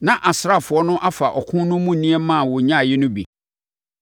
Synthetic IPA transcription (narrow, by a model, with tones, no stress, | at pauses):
nã˨ʔa˨sɾa˦˨fʊ˨ɔ˦nʊ̃˦ʔa˦fa˨ʔɔ˨kʰʊ̃˦nʊ̃˦mũ˦˨nĩ˦ɛ˦mã˦˨wʊ˨ɲã˦˨jɪ˦nʊ̃˦bḭ˨